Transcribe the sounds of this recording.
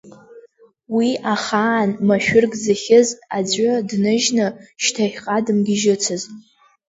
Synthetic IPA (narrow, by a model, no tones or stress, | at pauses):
wiʔaχaːnmaʃᶣʊrɡzɨχʲɪzad͡zʷʊdnɨʒnɨʃtʰajʲqʼadɨmɡʲiʒɨt͡sʰɨz